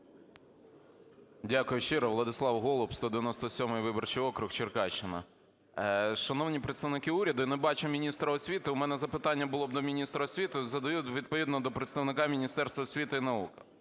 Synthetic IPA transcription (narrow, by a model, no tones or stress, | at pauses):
dʲakʊjʊʃɪɾɐʋlˠɐd̪ɪslˠɑwɦɔlˠʊpst̪ɔd̪eʋʲɐnɔst̪ɔsʲɔmɪjʋɪbɔrt͡ʃijɔkɾʊxt͡ʃɪrkɑt͡ʃːɪnɐ̰ | ʃɐnɔwnʲipɾet̪st̪ɐʋnɪkɪuɾʲɐd̪ʊinɛbɑt͡ʃɪmʲinʲist̪ɾɐɔsʲʋʲit̪ɪʊmɛnɛzɐpɪt̪ɑnʲːɐbʊlˠɔb̚d̪ɔmʲinʲist̪ɾɐɔsʲʋʲit̪ɪzɐd̪ɐjutʲʋʲid̪̚pɔʋʲid̪nɔd̪ɔpɾet̪st̪ɐʋnɪkɑmʲinʲist̪ɛrst̪ʋɐɔsʲʋʲit̪ɪinɐukɪ